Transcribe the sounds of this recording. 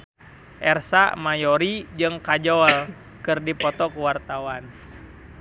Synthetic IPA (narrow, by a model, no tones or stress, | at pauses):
ʔɛrsa̰majɔɾid͡ʒɨŋkad͡ʒɔl | kɨrdipɔt̪ɔkuwart̪awan